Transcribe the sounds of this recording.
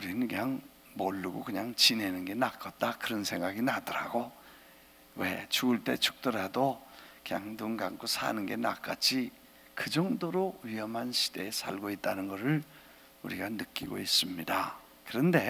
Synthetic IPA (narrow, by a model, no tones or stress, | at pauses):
uɾinɯnkɯɲaŋ | mʌɭːuɡokɯɲaŋt͡ɕine̞nɯnɡe̞nak͈ʰʌt̚t͈akɯɾʌnsʰe̞ŋɡaɡinadʌɾa̰ɡo | we̞t͡ɕuɡɯɭt͈e̞t͡ɕʰuk̚t͈ɯɾadokɯɲaŋduŋɡaŋɡusʰa̰nɯnɡe̞na̰k͈ad͡ʑʰi | kɯd͡ʑʌŋdoɾoɥiʌmɦanɕʰi̥d̥e̞ːsʰa̰ɭɡoit̚t͈anɯnɡʌɾɯɭ | uɾiɡanɯk͈iɡo̰is͈ɯmɲida | kɯɾʌnde̞